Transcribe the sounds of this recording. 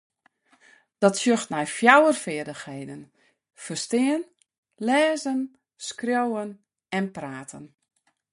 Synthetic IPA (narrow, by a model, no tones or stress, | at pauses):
d̥ɔtsjøxtnɛjfjawərfɪərdəxheːdən | fərstɪːən | lɛːzən | skrjowən | ɛnpraːtʰən